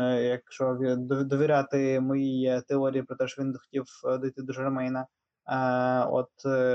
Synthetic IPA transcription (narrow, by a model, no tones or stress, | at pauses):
jɐkʃɔd̪ɔd̪ɔʋʲiɾʲat̪ɪmɔjijɛt̪ɛɔɾʲijipɾɔt̪ɛʃɔʋʲind̪ɔxɔ̥tʲiwd̪ɔjt̪ɪd̪uʒɛɾɛmɛjnɐ | ɔ̰t̪